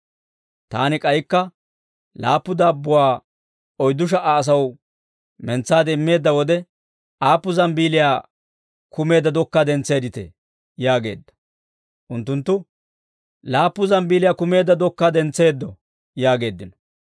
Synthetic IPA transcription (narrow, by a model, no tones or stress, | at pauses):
t̪a̰ːnɪkʼɐjkːɐ | laːpːʊd̪aːbːʊwaː | ɔjd̪ʊʃ̬ɐʔaːs̬ɐw | mɛnt͡sːaːd̪ːmːe̞ːd̪ːɐwɔd̪ɛ | ʔaːpːʊzɐmbiːlɪjaː | kʊme̞ːd̪ːɐd̪ɔkːaːd̪ɛnt͡sːe̞ːd̪ɪt̪ɛ̰ | jaːɡe̞ːd̪ːɐ̥ | ʔʊnt̪ːʊnt̪ːʊ | laːpːʊzɐmbiːlɪjaːkʊme̞ːd̪ːɐd̪ɔkːaːd̪ɛnt͡se̞ːd̪ːɔ | jaːɡe̞ːd̪ːɪnɔ̥